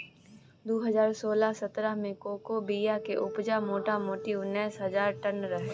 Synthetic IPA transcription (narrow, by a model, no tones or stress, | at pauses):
d̪oːɦɐzaːɾsoːlasɐt̪ɾəɦmẽkoːkobiːjakeʔʊpd͡ʒamoːʈamoːʈinɛːsɦɐzaːɾʈɐnɾɐɦ